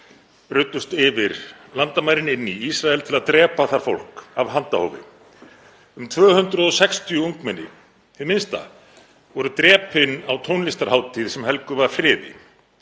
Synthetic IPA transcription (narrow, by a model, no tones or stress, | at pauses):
rʏɥt̪ːʏst̪ɪvɪɾlant̪amajɾɪnɪnːiisɾaɛlt̪ʰɪlaðt̪ɾɛːpaθaɾ̥fo̰l̥kavɦant̪a̰ho̰wvɪ̰ | ʏmt̪ʰvœːhʏnt̪ɾʏðɔsɛkst̪ʰjʏuŋkmɛnːɪ̰ | hɪðmɪnst̪a̰ | vɔɾʏt̪ɾɛːpɪnawt̪ʰownlist̪aɾ̥haːwt̪ʰiðsɛmhɛlkʏvaðfɾɪːðɪ̰